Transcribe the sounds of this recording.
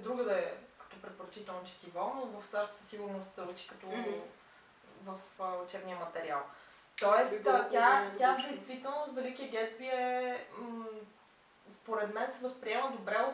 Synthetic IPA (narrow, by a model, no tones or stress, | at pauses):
ɛd̪ɾuɡəd̪əɛkɐ̥t̪ɔpɾɛt̪̚poɾɐt͡ʃit̪ɛlˠnot͡ʃɛ̥t̪ivɔnovəfsaʃt̪sə̥siɡʊɾnost̪sɛut͡ʃi̥kɐt̪ɔ | vəfot͡ʃɛɾnijəmɐt̪ɛɾia̰lˠ | t̪ɔɛst̪ʲajad̪ɛjst̪vit̪ɛlˠnʊst̪vɛlikiəɡɛt̪biɛ | spoɾɛd̪mɛnsɛvəspɾiɛməd̪obɾɛo